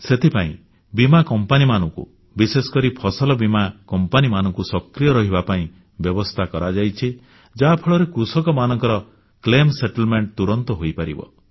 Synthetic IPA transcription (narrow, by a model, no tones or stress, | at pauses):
set̪ʰipaḭ̃ | bimakɔmpanimanɔŋkṵ | bisesɔ̥kɔɾipʰɔsɔlɔbimakɔmpanimanɔ̃ŋkusɔkɾijɔɾɔɦibapaĩ | bjɔbɔst̪ʰakɔɾad͡ʒajt͡ʃʰi | d͡ʒaːpʰeɭɔɾekusɔkɔmanɔŋkɔɾɔ | klemseʈɔlmeɳʈ̚t̪uɾɔnt̪ɔɦojpaɾḭbɔ̰